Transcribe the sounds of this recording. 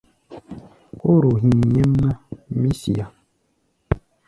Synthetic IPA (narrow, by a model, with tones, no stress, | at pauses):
ko˦ɾo˨ɦi˨ɲe˦mːa˦mi˦si˨a˨